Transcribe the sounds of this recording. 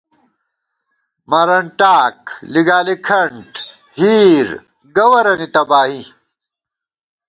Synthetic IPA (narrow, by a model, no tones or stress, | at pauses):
mɐɾɐɳʈaːkliɡaːlikʰɐɳʈ | hiːɾ | ɡɐwɐɾɐnit̪ɐbaːɦi